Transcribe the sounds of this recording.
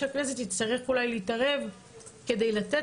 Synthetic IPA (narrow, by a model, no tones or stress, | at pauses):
aknezet̪itst̪aʁeχulajleitaʁe̞v | ke̞dejlat̪e